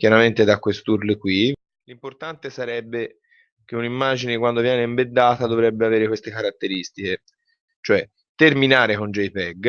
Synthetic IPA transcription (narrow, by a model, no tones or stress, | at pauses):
kʲjaɾament̪ed̪akːwest̪uɾlekwi | limport̪ant̪esaɾɛbːe | k̟eunimːaːd͡ʒinekwand̪ovjɛːneimbed̪ːaːt̪ad̪ovɾɛbːeaveːɾekwest̪ekaɾat̪ːeɾist̪ike | t͡ʃoɛ | t̪erminaːɾekond͡ʒejpɛɡ